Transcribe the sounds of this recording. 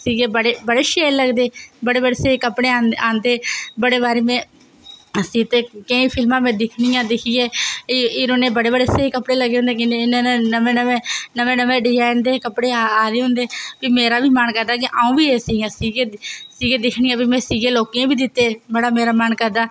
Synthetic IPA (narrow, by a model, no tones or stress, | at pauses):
siːɡeːbəɽeːbəɽeːʃeːɾləɡd̪eːbəɽeːbəɽeːseːkəpɽeːaːaːnd̪eːbəɽeːbaːɾeːmɛ̃ː | sĩːt̪eːkəĩːpʰɪlmãːmɛ̃ːd̪ɪkʰɳijãːd̪ɪkʰiːjeːɪːɾoːneːbəɽeːbəɽeːseːkəpɽeːləɡːeːɦõnd̪eːkɪɪnenenəmẽːnəʋẽːnəʋẽːnəʋẽːɖɪjaːɪnd̪eːkəpɽeːaaːd̪eːɦʊ̃ːnd̪eːpiːmeːɾaːbiːmənkəɾd̪aːk̬ɪʔaːũːbiːeːsiːɡãːsiːɡeːsiːɡeːd̪ɪkʰɳiːãːbiːmɛ̃ːsiːɡeːloːkẽːbiːd̪ɪt̪ːeːməɽaːmeːɾaːmənkəɾd̪aː